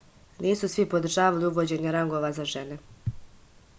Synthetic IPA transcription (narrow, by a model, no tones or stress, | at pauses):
niːsusʋipo̞d̪ɾ̩ʒaːʋaliuʋo̞d͡ʑe̞ɲeɾaŋɡo̞ːʋazaʒe̞ne̞